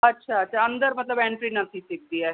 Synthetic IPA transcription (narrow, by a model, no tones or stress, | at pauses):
ətːʃʰaətːʃʰaənd̪əɾmət̪ləbɛ̃ːɳʈɾinət̪ʰĩsɪk̚d̪iːɛː